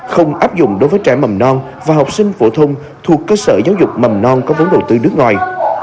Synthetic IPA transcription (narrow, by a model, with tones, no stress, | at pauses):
xə˧wŋ͡mʔaː˦˥p̚zʊ̰˧˨ŋ͡mɗo˨˦jvəː˨˦jt͡ɕaː˧˩jmə˨˩mnɔ˧n | vaː˨˩ɦɔ˨˩wk͡p̚sï˧ŋ̟fo˧˩t̪ʰə˧wŋ͡m | t̪ʰu˨˩əkːəː˧sə̰ː˧˩zaː˨˦wzʊ˨˩k͡p̚mə˨˩mnɔ˧nkɔ˨˦və˨˦nɗə˨˩wt̪ɨ˧ɗɨ˦˥ək̚ŋwɔ̰˨˩j